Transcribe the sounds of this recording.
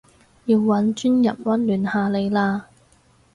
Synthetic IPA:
jiː˧wːɐ˨˥nt͡ʃyː˥njɐ̰˨˩p̚wɐ˥nlyː˨˩nhaː˨˧le˨˧jlaː˧

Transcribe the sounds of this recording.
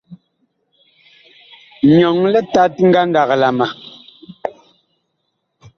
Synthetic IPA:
ɲɔ˨ŋlɛ˦ta˦t̚ŋ̩˦ɡa˦ŋɡa˨ɣla˨ma˨

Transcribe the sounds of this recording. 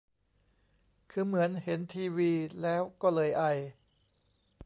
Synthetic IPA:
kʰɯː˧mɯ˩˦ənhe˩˦nt̪ʰiː˧wiː˧lɛː˦˥wkɔː˥˩lɤː˧jʔa˧˩j

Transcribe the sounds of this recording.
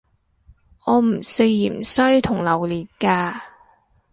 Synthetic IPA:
ʔɔː˨˧m̩˨˩sɵ˧jːiː˨˩m̩˨sœ˥ɥt̪ʰʊ˨˩ŋlɐ˨˩wliː˨˩t̚kaː˧

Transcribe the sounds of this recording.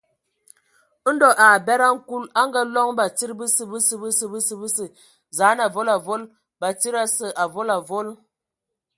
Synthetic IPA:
n̩˦dɔ˨ʔa˨bɛ˦ɾa˦ŋ̩˦ku˦la˦ŋ˦ɡa˦lɔ˦ŋba˨t͡si˦ɾbə˦sə˦bə˦sə˨bə˦sə˨bɨ˦sə˦bɨ˦sə˨ | za˨˦na˨vo˦la˨vo˦l | ba˨ti˦ɾa˦sə˨ʔa˨vo˦la˨vo˦l

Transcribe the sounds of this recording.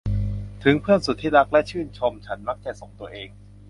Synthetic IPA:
t̪ʰɯ˩˦ŋpʰɯ˥˩ənsu˨˩t̪ʰːiː˥˩la˦˥k̚lɛ˦˥t͡ɕʰɯː˥˩nt͡ɕʰo˧mt͡ɕʰa˦˥nma˦˥k̚t͡ɕ̪ɛː˨˩so˨˩ŋt̪u˧ɐʔeː˧ŋ

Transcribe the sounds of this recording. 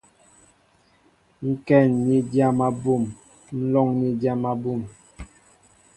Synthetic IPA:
ŋ̩˦kɛ˦˨nːi˦dja˦ma˦bu˦˨m | n̩˦lɔ˦ŋni˦da˦ma˦bu˦˨m

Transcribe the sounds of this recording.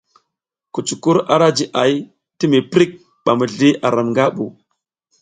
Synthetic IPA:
ku˨t͡ʃu˨ku˦ɾa˦ɾa˦d͡ʒi˨ʔa˨j | ti˦mi˨pɾi˦k̚ | ɓa˨mə˨ɮi˦ʔa˨ɾa˨mŋɡa˦ɓu˨

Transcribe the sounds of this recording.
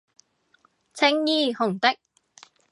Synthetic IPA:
t͡sʰɪ˧˥ŋjiː˧hʊ˨˩ŋt̪ɪ˥k̚

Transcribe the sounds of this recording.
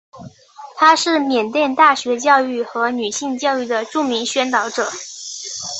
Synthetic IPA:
t̪ʰa˥ʂɻ̩˥˩mjɛ˨˩nt̪jɛ˥˧nt̪a˥˩ɕɥɛ˧˥t͡ɕjɑ˥˧ʊy˥˩xɤ˧˥ny˨˩ɕi˥˧ŋt͡ɕjɑ˥˧ʊy˥˩d̪ə˩ʈ͡ʂu˥˩mi˧˥ŋɕɥɛ˥nt̪ɑ˧˥ʊʈ͡ʂɤ˨˩˦

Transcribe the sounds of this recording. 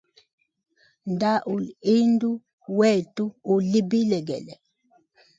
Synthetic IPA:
nda˦ʔu˨li˦ndu˦ | wɛ˦˨tu˦u˨li˦bi˦lɛ˨ɡɛ̰˨lɛ˨

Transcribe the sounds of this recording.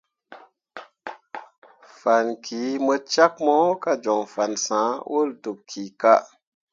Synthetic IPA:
fa˨nkʰi˨˦mə˧t͡ʃa˦k̚mo˦ka˦d͡ʒɔ˨ŋfa˨nsã˨˦wʔu˦˨ldu˨p̚kʰi˨ka˦

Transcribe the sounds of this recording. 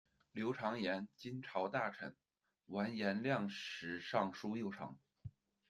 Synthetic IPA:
ljo˧˥ʊʈ͡ʂʰɑ˧˥ŋjɛ˧˥nt͡ɕi˥nʈ͡ʂʰɑ˧˥ʊt̪a˥˩ʈ͡ʂʰə̰˧˩˥n | wa˧˥njɛ˧˥nljɑ˥˩ŋʂɻ̩˧˥ʂɑ˥˩ŋʂu˥jo˥˩ʊʈ͡ʂʰɑ̰˧˥ŋ

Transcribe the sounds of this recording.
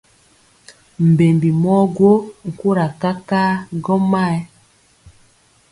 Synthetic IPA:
m̩˨be˨mbi˨mɔ˦ɡwo˦ŋ̩˨ku˦ɾa˨ka˦ka˦ɡɔ˦ma˦˨ɛ˦

